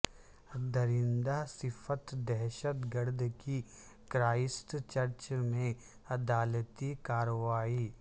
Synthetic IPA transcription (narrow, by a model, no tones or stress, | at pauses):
d̪əɾɪnd̪asɪfʰət̪d̪ɛɦʃət̪ɡəɾd̪ʱki | kɾaːɪsʈt͡ʃɐɾt͡ʃmẽ | ɐd̪aːlət̪ikaːɾəʋaːiː